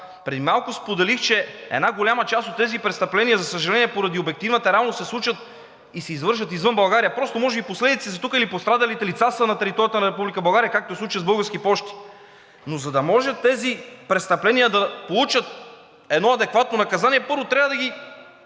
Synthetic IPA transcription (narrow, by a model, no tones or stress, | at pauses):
pɾɛd̪imalˠkʊspod̪ɛlixt͡ʃɛɛ̰d̪naɡolʲamɐt͡ʃast̪ot̪ːɛzipɾɛt̪st̪ɐplɛniəzɐsəʒɐlɛniɛpoɾɐd̪iobɛk̚t̪ivnɐt̪ɐɾɛalˠnosɛslˠut͡ʃət̪ | isɛizvɤɾʃ̬vɐt̪izvɤnbɐlˠɡaɾijəpɾɔst̪omɔʒɛbiposlɛd̪it̪sizɐt̪ukəilipost̪ɾad̪ɐlit̪ɛlit̪sasənɐt̪ɛɾit̪ɔɾijət̪ənɐɾɛpublikəbɐlˠɡaɾijəkak̚t̪oɛslˠut͡ʃiɐzbɤlˠɡəɾsk̟ipɔʃt̪i̥ | nozɐd̪ɐmɔʒət̪ːɛzipɾɛt̪st̪ɐplɛnijəd̪ɐpolˠut͡ʃət̪̚ | ɛd̪nɔɐd̪ɛkvat̪nonɐkɐzaniɛpɤɾvot̪ɾʲavɐd̪ɐɡʲi